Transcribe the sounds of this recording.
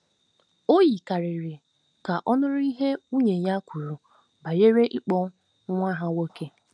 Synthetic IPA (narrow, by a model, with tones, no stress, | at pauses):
o˦ji˨ka˨ɾɪ˨ɾɪ˨ | ka˨ʔɔ˦nʊ˦ɾʊ˦i˦ɦe˦u˦ɲe˨ɲa˦kʷu˨ɾu˨ | ba˨je˦ɾe˦ʔi˦k͡pɔ˦ | ŋʷa˦ɦa˦wo˦ke˦